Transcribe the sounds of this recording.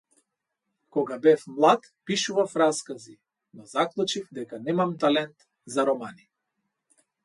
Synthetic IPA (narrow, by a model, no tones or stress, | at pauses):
kɔɡabɛfmlˠat̪ | piʃuvafɾaskazi | nɔzaklˠut͡ʃifd̪ɛkanɛmamt̪alɛnt̪ | zaɾɔmani